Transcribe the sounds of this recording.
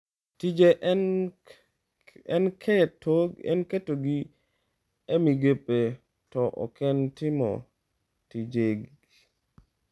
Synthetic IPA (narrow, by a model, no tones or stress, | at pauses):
tid͡ʒeʔ | ɛnkʰɛtoɡɛ̰nketoɡi | ɛmiɡepe | tɔʔɔ̰kɛntɪmɔ̰ | tid͡ʒeɡ